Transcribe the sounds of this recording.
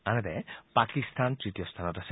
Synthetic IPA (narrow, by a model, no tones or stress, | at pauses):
anɛt̪ɛpakist̪ʰant̪ɹit̪ijɔst̪ʰanɔtas